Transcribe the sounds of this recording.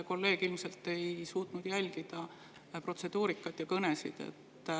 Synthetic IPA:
ko̞lːe̞ːɡ̥ilmse̞lt̪ːe̞jsuːt̪nud̪̥jælʲɡ̥id̪̥ɑ | pro̞t̪se̞d̪̥uːɾikːˑɑd̪̥jɑkɤne̞sḭd̪̥e̞̰t̪ː

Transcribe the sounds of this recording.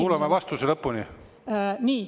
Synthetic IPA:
uːlemevɑst̪uselɤpːuni | niː

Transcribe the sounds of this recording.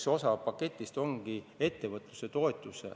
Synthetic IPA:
so̞sɑpɑke̞t̪ʲːˑist̪o̞ŋɡ̥ie̞t̪ːe̞vɤt̪ˑluse̞t̪o̞et̪ˑːusḛ

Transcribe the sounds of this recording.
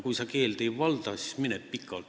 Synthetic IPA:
kuisɑkeːlt̪eiʋɑlt̪ɑːsi̥smineppikːɑlt̪

